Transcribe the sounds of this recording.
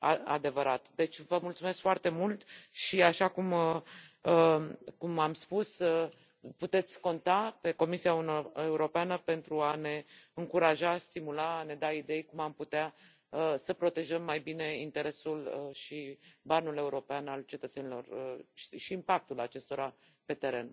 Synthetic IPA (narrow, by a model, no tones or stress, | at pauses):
aa̰d̪e̞vəɾʔat̪d̪e̞t͡ʃʲvəmult̪sume̞skfoart̪e̞mult̪ʃiaʃakuməəkumamspusə | put̪e̞t̪sʲko̞nt̪ape̞ko̞misiaeuɾo̞peanəpe̞nt̪ɾuane̞ɨŋkuɾaʒast̪imulaːne̞d̪aid̪e̞jkumamput̪ea | əsəpɾo̞t̪e̞ʒəmːajbine̞int̪e̞ɾe̞suləʃibanule̞uɾo̞peanalt͡ʃe̞t̪ət̪se̞nilo̞̰rəiʃiːmpak̚t̪ulat͡ʃe̞st̪o̞ɾa | pe̞t̪e̞ɾe̞n